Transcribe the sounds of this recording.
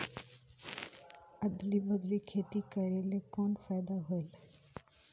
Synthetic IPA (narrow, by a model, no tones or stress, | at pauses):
əd̪libəd̪likʰeːt̪ikəɾeːlekɔːnfaɪd̪aɦoel